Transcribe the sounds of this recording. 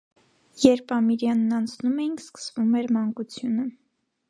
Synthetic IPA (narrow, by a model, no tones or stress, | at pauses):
jɛɾpʰɑmiɾjɑnːɑnt͡sʰnumɛjinskə̥svumɛɾmɑŋkut͡sʰjunə